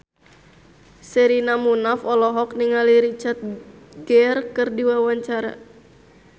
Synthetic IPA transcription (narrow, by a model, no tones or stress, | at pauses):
sɛɾinamunafɔlɔɦɔk̚niŋaliɾit͡ʃart̪̚ɡɛrkɨrdiwawaɲt͡ʃaɾa̰